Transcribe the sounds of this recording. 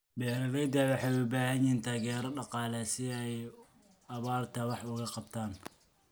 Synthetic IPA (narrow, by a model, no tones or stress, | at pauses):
bɛːɾɐɣɛd̪ɐwɑħɑʊbaːɦɐnjint̪ʰaːɣɛːɾɔɖɑqɑːlɛsɪɛj | ɐβaːrt̪ʰɐwɑħʊɣɐqɑbt̪ʰaːn